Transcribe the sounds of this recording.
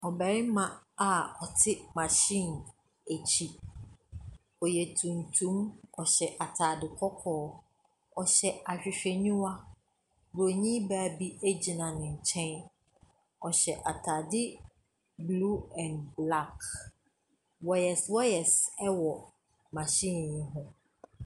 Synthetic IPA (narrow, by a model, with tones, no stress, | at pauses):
ɔ˨bɛ˨ɾɪ˦mã˨a˨ɔ˨tʰɪ˦mã˨ɕĩ˦˨n | æ˨t͡ɕʰi˦ | ɔ˨jɛ˨tʰũ˨ntʰũ˦mɔ˨ɕɛ˨ʔa˨tʰa˨dɪ˨kʰɔ˦kʰɔː˦ | ɔ˨ɕɛ˨a˨ɕᶣɪ˨ɕᶣɛ˨ɲũ˦wa˦ | bo˨ɲĩ˦baː˨˦˨bi˦e˦d͡ʑi˨nã˨nɪ̃˨ɲ̩˨t͡ɕʰɛ̃˦n | ɔ˨ɕɛ˨ʔa˨tʰaː˨dɪ˦ | blu˦ɛ̃˨nbla˦˨k | wɔ˨jɛ˨swɔ˦jɛ˨sɛ˦wɔ˨ | mã˨ɕĩ˦˨njɪ̃˦ɦʊ̃˦